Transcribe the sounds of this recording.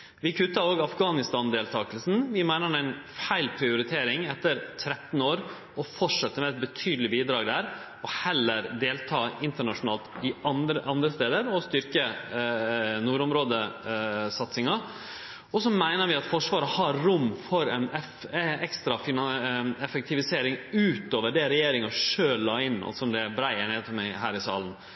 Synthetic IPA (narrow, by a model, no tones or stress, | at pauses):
ʋɪkʰʉt̪ːɑɾoːɡɑfɡɑːnɪst̪ɑnd̪eːlt̪ʰɑːkəlsn̩ʋɪmæɪnəɾmæɪnfæɪlpʰɾɪʊɾɪt̪ʰeːɾɪŋɛt̪ːəɾt̪ʰɾɛt̪n̩oːɾ | ɔfɔʈʂɛt̪ːəmɛɛt̪̚bət̪ʰyːd̪əl̩ɪbiːd̪ɾɑːɡd̪æɾ | ɔhɛlːəɾd̪eːlt̪ʰɑːɪnt̪əɳɑʂʊnɑːlt̪ɪɑəʔɑnd̪ɾəst̪eːd̪əɾɔst̪ʏɾkə | nuːɾʊmɾoːd̪ə | sɑt̪sɪŋɑ | ɔsɔmæɪnəɾʋɪɑt̪fɔʂʋɑːɾəhɑɾɾʊmːfɔɾɛnɛ | ɛkst̪ɾɑfɪnɑɛfɛk̚t̪ʰɪʋɪseːɾɪŋʉːt̪oːʋəɖɛɾɛjeːɾɪŋɑʂøːlːɑːɪnːɑ̰sɔmd̪ɛbɾæɪəɳeːd̪p̪ʰɔmæɪɦæːɾɪsɑ̰ːlən